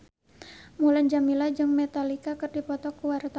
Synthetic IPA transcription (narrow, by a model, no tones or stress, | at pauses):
muland͡ʒamilad͡ʒɨŋmet̪alikakərdipɔt̪ɔkuwaɾt̪